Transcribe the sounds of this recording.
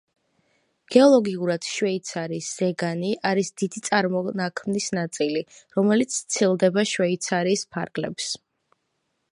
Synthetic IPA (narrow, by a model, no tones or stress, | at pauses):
ɡ̥ɛɔlˠɔɡiuɾad̪̥ʃvɛit̪sʰaɾiːsz̥ɛɡaniʔaɾisd̪id̪it̪sʼaɾmɔnakʰmnisnat̪sʼiliɾɔmɛlit̪sʰt̪sʰilˠd̪ɛbaʃvɛit̪sʰaɾiːspʰa̰ɾɡlɛ̰ps